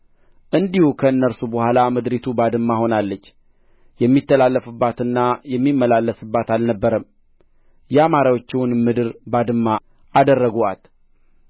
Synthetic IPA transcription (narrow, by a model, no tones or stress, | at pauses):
ʔɨnd̪ihukʰəɨnːəɾsubəhʷalamɨd̪ɾit̪ʰubad̪ɨmːaho̞nalːət͡ʃː | jɛmːit̪ːəlalːəfɨbːat̪ɨnːajɛmːimːəlalːəsɨbːat̪alnəbːəɾəm | jɛamaɾawot͡ʃːɪwnmɨd̪ɨɾbad̪ɨmːa | ʔad̪ərːəɡuat̪